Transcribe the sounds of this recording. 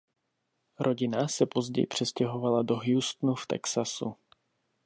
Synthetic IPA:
ɾʔo̞ɟɪnasɛpo̞zɟɛ̰jpr̥ɛscɛɦo̞valado̞ɦjust̪nuft̪ɛ̰ksasṵ

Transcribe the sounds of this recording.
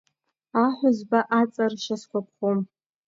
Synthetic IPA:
aħʷʊzbaʔat͡sʼarʃaskʷap̚ʰχom

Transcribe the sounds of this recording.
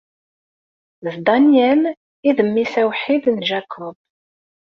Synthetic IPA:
zd̪ɑnjæn | iðəmːisæwħid̪nʒækʰʊb̥

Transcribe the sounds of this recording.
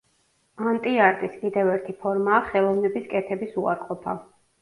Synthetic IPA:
ant̪ʼiaɾt̪ʼiskʼid̪ɛvɛɾt̪ʰipʰɔɾmaːχɛlˠɔvnɛbiskʼɛt̪ʰɛbisua̰ɾqʼɔpʰa

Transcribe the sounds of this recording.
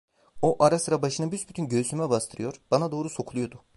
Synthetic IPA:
oʔaɾasɯɾabaʃɯnɯbysbyt̪ʰynɟøsymɛbast̪ʰɯɾɯjoɾ̥b̥anad̪o̞ːɾuso̞kʰulˠujo̞d̪ʊ

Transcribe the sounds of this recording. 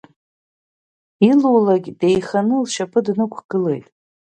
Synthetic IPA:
iluwlaɡʲde̞jχanɨlʃapʰɨdnɨkʷʰɡ̥ɨle̞̰jtʼ

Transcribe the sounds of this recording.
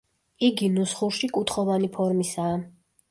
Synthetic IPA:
iɡinusχuɾʃikʼut̪ʰχɔvanipʰɔɾmisaː

